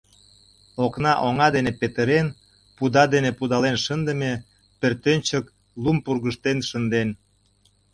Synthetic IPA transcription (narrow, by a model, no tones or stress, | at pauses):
oknɑʔoŋɑd̪enepet̪əɾen | pud̪ɑd̪enepud̪ɑlenʃənd̪ə̆me | pert̪ønʲt͡ɕək | lumpurɣəʃt̪enʃənd̪en